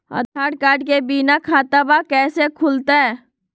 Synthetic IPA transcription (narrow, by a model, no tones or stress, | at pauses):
ə̰d̪ʱaːʈkaːɾɖkebiːnakʰaːt̪abakɛːsekʰʊlt̪aɦɛː